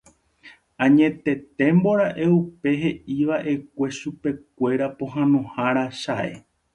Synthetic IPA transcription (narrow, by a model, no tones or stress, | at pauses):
ãɲẽ̞t̪e̞t̪ẽ̞mbo̞ɾaʔe̞upe̞ɦe̞ʔiʋaʔe̞k̚ʷe̞ʃupe̞k̚ʷe̞ɾapõ̞ɦãnõhaɾaʃae̞̰